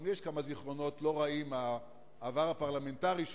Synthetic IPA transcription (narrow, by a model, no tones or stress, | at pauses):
mjeʃkamaziχʁo̞no̞tlo̞ʁaimaː | vaʁapaʁlame̞ntaʁiʃ